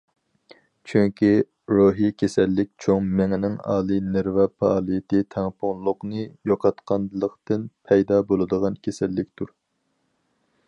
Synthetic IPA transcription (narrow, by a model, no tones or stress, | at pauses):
t͡ʃʰyŋkʲʰi | ɾoːɦijkʲʰesɛlːɪk̚ʲt͡ʃʰoŋmɛŋɪnɪŋɑ̰ːlˠinɪɾvɛpʰɑ̰ɑlˠijɪt̪ɨt̪ʰɛŋpʰoŋlˠʊqnɨjoqʰɑt̪qʰɑnlˠəqt̪ɨnpʰɛjd̪ɑːbolˠɨd̪əʁɑnkʲʰesɛlːɪk̚ʲt̪ʰuɾ